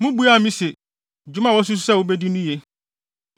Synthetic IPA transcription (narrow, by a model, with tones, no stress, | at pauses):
mʊ̃˦bu˦a˨mĩ˦se˨ | d͡ʑᶣu˦mã˦˨wɔ˦s̬u˦s̬u̥˦sɛ˦˨wo˦be˦di˦nʊ̃˦je˦